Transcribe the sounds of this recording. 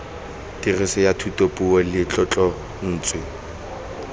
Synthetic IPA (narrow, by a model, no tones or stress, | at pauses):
tirisɪjatʰutʼopʼuɔlɪt͡ɬʼɔt͡ɬʼɔ | n̩ːt͡sʼwɪ